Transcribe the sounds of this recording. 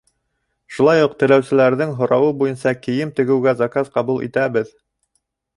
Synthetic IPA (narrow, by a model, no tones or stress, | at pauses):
ʃulˠɑjuq̚t̪ɘ̆læwsɘ̆læɾðɘŋɦŏɾɑwɤbujɤnsɑkɘ̆jɘmt̪ɘ̆ɡɘ̆wɡæzakazqɑβulˠḭt̪æbɘð